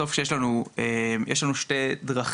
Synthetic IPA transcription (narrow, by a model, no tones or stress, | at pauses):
o̞fʃejʃlanuemjeʃlanuʃte̞dʁaχ